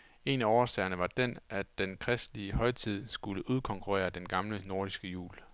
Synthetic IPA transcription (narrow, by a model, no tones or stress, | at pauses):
e̝næɒʊɐsɛɪɐnəʋɑ̈d̥enæd̥enkʰʁɛsd̥liəhɒ̽ɪt͡sʰið̞̰ˠsɡ̥uləʔuð̞ˠkʰɒ̽ŋkʰuʁɛ̰ːɐd̥enɡ̥ɑ̈mləno̝ɐ̰d̥isɡ̥əjṵːl